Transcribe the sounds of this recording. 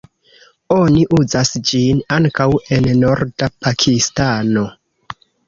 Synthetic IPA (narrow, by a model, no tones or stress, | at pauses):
o̞niʔuzasd͡ʒinaŋkawe̞nno̞ɾdapʰakʰistano̞